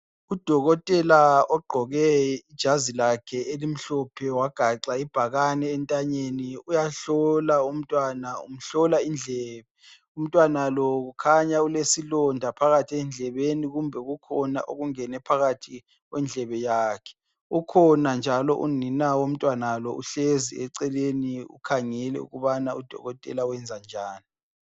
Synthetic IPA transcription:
ud̥ʱɔɣɔtʼɛlaɔɡ͡ǃʱɔɣɛid̥ʒ̥ʱazilakʰɛʔelim̩ɬɔpʰɛwaɡ̥ʱaǁaib̥ʱaɣanɛːntʼaɲeniujaɬɔlaum̩tʼwanaṵm̩ɬɔlaind͡ɮʱɛːβɛ | um̩tʼwanalɔɣukʰaɲaulesilɔndʱapʰaɣatʰiɛnd͡ɮʱɛβeniɣumbʱɛɣukʰɔna̰ʔoɣuŋɛnɛpʰaɣatʰi | ɣwɛnd͡ɮʱɛβɛjaːkʰɛ̥ | ukʰɔnand͡ʒʱalɔʔuninawom̩tʼwanalɔʔṵɬeziɛǀɛleniṵkʰaŋɛlɛ̰ṵɣuβanaud̥ʱɔ̰ɣɔtʼɛ̰lawɛnd͡zʱand͡ʒʱaːni

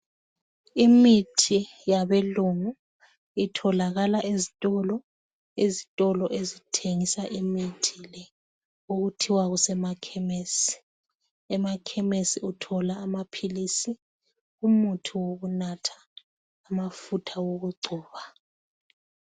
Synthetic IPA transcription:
imitʰi | jaβɛluŋu | itʰɔlaɣalaʔezitʼɔlɔ | ezitʼɔlɔʔezitʰeŋisaʔimitʰilɛ | oɣutʰiwaɣusɛmakʰɛmesi̥ | ɛmakʰɛmesiutʰɔlaːmapʰilisi | umutʰuwoɣunatʰḁː | mafutʰawoɣuɡ͡ǀʱɔːβa

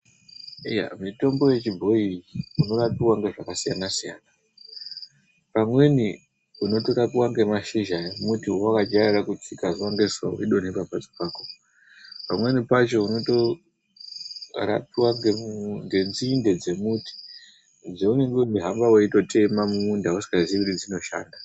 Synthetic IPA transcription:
ija̰mito̞mbo̞je̞t͡ʃibʱo̞iuno̞rapiwaŋɡe̞ʐakasijanasijaːna | pamwe̞ni | uno̞to̞ɾapiwaŋɡe̞maʃiʒajomutiwowakad͡ʒairakut͡sikaʐiwaŋɡe̞swaoiɗo̞nepapad͡zi̥paːko | pamwe̞nipat͡ʃo̞uno̞to | ra̰piwaŋɡemŋɡe̞nziːnde̞d͡ze̞muti̥ | d͡zeune̞ŋɡeiɦambaweito̞te̞mamuːndausi̥kaziʋiɾid͡zino̞ʃa̰ːnda

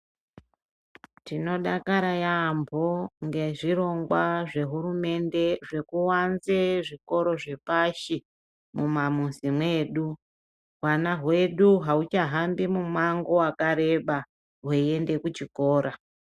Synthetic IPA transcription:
tino̞ɗakaɾajambʱoŋɡe̞ʐiɾo̞ŋɡwaʐe̞ɦuɾume̞nde̞ʐe̞kuwanzeʐiko̞ɾo̞ʐe̞paʃi | mumamusimwe̞ːɗu | ɦwanaɦwe̞ɗuɦaut͡ʃaɦambimumaŋɡo̞wakaɾe̞ɓa | ɦweie̞nde̞kut͡ʃiko̞ːɾa

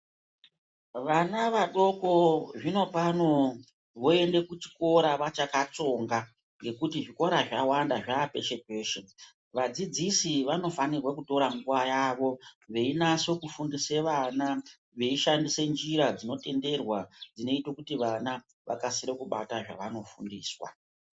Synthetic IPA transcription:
ʋanaʋaɗo̞ko̞ʐino̞pano̞ | ʋo̞e̞nde̞kut͡ʃi̥ko̞ɾaʋat͡ʃakat͡so̞ŋɡa | ŋɡe̞kutiʐiko̞ɾaʐawandaʐaːpe̞ʃe̞pe̞ːʃe̞ | ʋad͡zid͡zisiʋano̞fanirwakuto̞ɾaŋɡuʋajaʋo̞ʋe̞inaso̞kufundiseʋana | ʋe̞iʃandise̞nd͡ʒiɾad͡zino̞te̞nde̞rwad͡zine̞itwokutiʋana | ʋʔa̰kasiɾekuɓa̰taʐa̰ʋano̞fṵndiːswa̰

